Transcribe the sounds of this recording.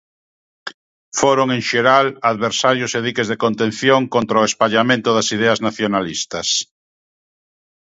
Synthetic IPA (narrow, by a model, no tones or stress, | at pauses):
foɾoŋẽŋʃeɾalaðβeɾsaɾjʊseðikezðekont̪ẽnθjoŋkont̪ɾaoespaʎamẽnt̪ʊðasiðɛɐznaθjonalist̪ɐs